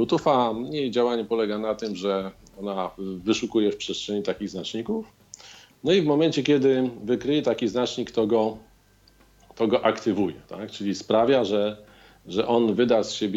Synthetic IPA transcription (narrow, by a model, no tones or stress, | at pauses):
ut̪ufamɲejd͡ʑawaɲɛpɔlɛɡanat̪ɘmʐɛ | ɔnavɘʂukujɛfpʂɛst̪ʂɛɲit̪akʲiɣznat͡ʂɲikuf | nɔivmɔmɛnt͡ɕɛkʲjɛd̪ɘvɘkɾɘjɛt̪akʲiznat͡ʂɲikt̪ɔɡɔ | t̪ɔɡɔʔakt̪ɘvujɛt̪akt͡ʂɘlʲispɾavʲjaʐɛ | ʐɛʔɔnvɘd̪asɕebʲ